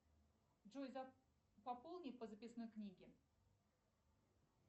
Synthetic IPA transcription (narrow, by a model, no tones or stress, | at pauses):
ʐojza | pɐpolˠnʲipəzəpʲɪsno̞jknʲiɡʲɪ